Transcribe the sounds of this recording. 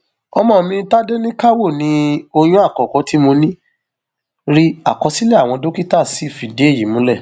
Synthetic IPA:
ɔ˧mɔ̃˧˨mĩ˧˦ta˦de˦nĩ˦ka˦wo˦˨nĩ˧˦o˧j̃ũ˦a˦˨kɔ˨kɔ˨˦ti˨˦mo˧nĩ˦ | ɾi˦a˨kɔ˧si˦lɛ˦a˦˨w̃ɔ̃˧do˦ki˦ta˦˨si˨˦˨fi˨de˨˦e˦˨ji˨˦mũ˨˦lɛ˦˨

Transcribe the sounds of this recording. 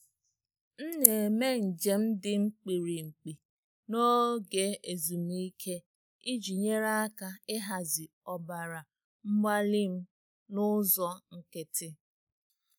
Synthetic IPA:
n̩˦ne˨me˦n̩˨d͡ʒe˨m̩˦dɪ˦ŋ͡m̩˦k͡pi˨ɾi˨ŋ͡m̩˨k͡pi˨ | no˦ɡe˨e˨zu˨mi˦i˦kʰe˦ | i˦d͡ʒi˨ɲe˦ɾa˦a˦ka˦ɪ˦ɦa˨zɪ˨ | ɔ˨ba˨ɾa˨ | ŋ͡m̩˦ma˦li˦m̩˦ | nʊ˦zɔ˦ŋ̩˦kɪ˨tɪ˦

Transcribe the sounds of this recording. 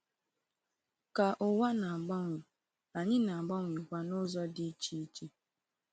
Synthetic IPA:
ka˨ʔʊ˨wa˦na˨a˨ɡ͡ba˦ŋʷɪ˨ | a˨ɲɪ˦na˨a˨ɡ͡ba˦ŋʷi˨kʷa˨nʊ˦zɔ˦dɪ˦t͡ʃi˦i˦t͡ʃi˦

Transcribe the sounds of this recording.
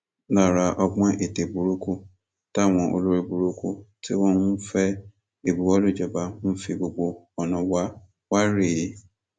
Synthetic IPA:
na˨ɾa˨ʔɔ˦ɡ͡bã˦ʔe˨te˨bu˨ɾu˦ku˦ | ta˦˨w̃ɔ̃˨ʔo̰˨lo˦ɾi˦bu˨ɾu˦ku˦tʰi˦wɔ̃˦n̩˦fɛ˦ | e˨bu˨wɔ˦lu˦˨d͡ʒɛ˨ba˨m̩˦fi˨bo˨ɡ͡bo˨ | ɔ˨nʊ̃˨wa˦ | wa˦ɾe˨e˦

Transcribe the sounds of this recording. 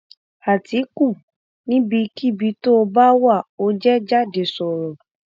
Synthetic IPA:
a˨ti˨˦ku˦˨ | nĩ˦bi˧ki˦bi˧˦to˦o˧ba˦wa˦˨o˧˦d͡ʒɛ˦d͡ʒa˦de˨˦sɔ˨ɾɔ˨

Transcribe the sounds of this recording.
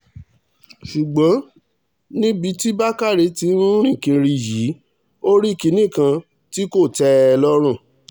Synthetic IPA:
ʃu˨ɡ͡bɔ̃˨˦ | nĩ˦bi˧˦ti˦ba˦ka˦˨ɾe˨˧˦ti˨˦ɾũ˦ɾ̃ĩ˦˨kĩ˧ɾi˧ji˨˦ | o˦ɾi˦˨ki˨˦nĩ˦˨kã˧ | ti˦ko˦˨tɛ˦˧lɔ˦ɾ̃ũ˦˨

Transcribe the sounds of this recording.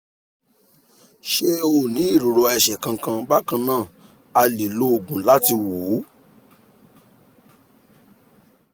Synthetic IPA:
ʃe˦o˦˨nĩ˨˦i˦˨ɾo˨ɾo˧ɛ˧˨ʃɛ˨kã˧kã˧ba˦kã˧nãː˦˨ | a˧li˨lo˦o˨ɡũ˨la˦ti˧woː˨˦

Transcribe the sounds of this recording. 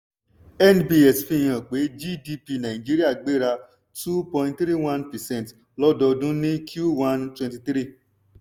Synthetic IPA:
ɛ˦nbi˦ɛ˨sfĩ˦˨j̃ã˨k͡pe˨˦d͡ʒi˦di˧pi˧nã˨ĩ˨d͡ʒi˦ɾi˦a˦˨ɡ͡be˦ɾa˧ | tu˦pɔ̃˧ĩ˧ntθɾi˦wã˦npɛ˨sɛ̃˦n˨t | lɔ˦dɔ˧dũ˦nĩ˦kʰju˦wã˦ntwɛ̃˧nti˧t̪ɾi˦˨

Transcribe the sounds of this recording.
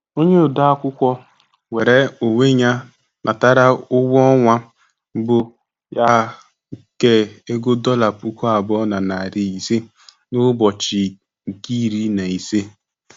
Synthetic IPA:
o˦ɲe˦ʊ˨da˦a˦kʷʊ˦kʷɔ˦ | we˨ɾe˨o˨ŋe˦ɲa˦ | nʔa˨ta˦ɾa˦ʊ˦wɔ˦ŋʷa˦ | bʊ˨ | ja˦ | ke˨e˦ɡo˦dɔ˦la˨pu˦kʷu˦a˨bɔ˦na˨na˨a˨ɾɪ˨i˨se˦ | nʊ˦bɔ˨t͡ʃɪ˨ | ki˦˨ɾi˦na˨i˨se˦

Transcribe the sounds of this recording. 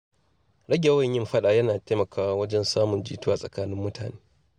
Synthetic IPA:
ɽɐ˦ɡʲe˨wɐ˦˨ɲjɪ˦mɸɐ˦ɗaː˨jɐ˦naː˨teː˦mɐ˨kʰaː˦wa˦wɐ˦d͡ʒɛ˦nsaː˦mʊ˨nd͡ʒḭː˦tu˦a˨sʼɐ̰˨kaː˦nɪ˦mːʊ˦tʰa̰ː˨neː˦

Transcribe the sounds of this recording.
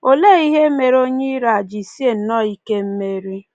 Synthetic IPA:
o˦le˦˨i˦ɦe˦me˨ɾo˦ɲi˦ɾa˨a˨d͡ʒi˨si˦e˦˨n̩˦nɔ˦˨i˦ke˦m̩˦me˦ɾi˦

